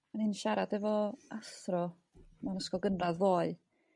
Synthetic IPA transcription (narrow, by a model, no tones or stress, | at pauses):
maninʃaɾadɛvɔaθrɔ | manəskɔɡənraððoːɨ